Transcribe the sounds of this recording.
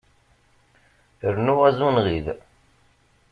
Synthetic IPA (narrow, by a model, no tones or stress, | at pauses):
əɾnuʁæzunʁið